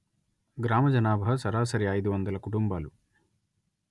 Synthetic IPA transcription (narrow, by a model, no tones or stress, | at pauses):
ɡɾaːmɐd͡ʒɐnaːbʱɐɐsɐɾaːsɐɾijaːjid̪uʋɐnd̪ɐlɐkuʈumbaːlu